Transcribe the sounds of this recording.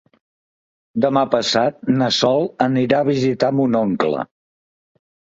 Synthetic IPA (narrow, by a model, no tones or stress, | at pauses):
d̪əmapəsat̪̚nəsɔlˠəniɾaəβ̞izit̪amunɔŋklə̰